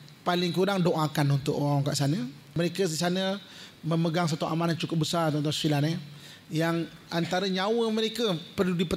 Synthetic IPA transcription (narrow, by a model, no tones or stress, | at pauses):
palɪŋkuɾaŋdoʔakanunt̪ʊ̰ʔaŋka̰ʔsanə | məɾekəs̬isanə | məməɡaŋs̬at̪uʔamanant͡ʃukʊp̚bəsart̪ant̪asilane | jaŋ | ant̪aɾəɲawəməɾekəpərludipə